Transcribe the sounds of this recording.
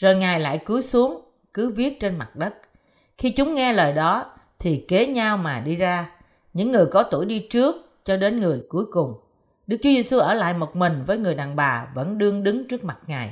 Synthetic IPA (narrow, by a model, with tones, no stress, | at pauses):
zo˨˩jŋaː˨˩jla̰ː˧˨jku˨˦əjsu˨˦əŋ | kɨ˨˦vi˦˥ət̚t͡ɕe˧nma˨˩t̚ɗə˦˥t̚ | xi˧t͡ɕʊ˨˦ŋ͡mŋɛ˧ləː˨˩jɗɔ˨˦ | t̪ʰi˨˩ke˨˦ɲa˧wmaː˨˩ɗi˧zaː˧ | ɲɨ̰˧˥ŋːɨ˨˩əjkɔ˨˦t̪u˧˩əjɗi˧t͡ɕɨ˦˥ək̚ | t͡ɕɔ˧ɗe˨˦nŋɨ˨˩əjku˨˦jkʊ˨˩ŋ͡m | ɗɨ˦˥k̚t͡ɕu˨˦ze˧su˧ʔəː˧˩la̰ː˧˨jmo˨˩t̚mï˨˩ŋ̟vəː˨˦jŋɨ˨˩əjɗaː˨˩ŋɓaː˨˩və̰˧˥nɗɨ˧əŋɗɨ˨˦ŋt͡ɕɨ˦˥ək̚ma˨˩t̚ŋaː˨˩j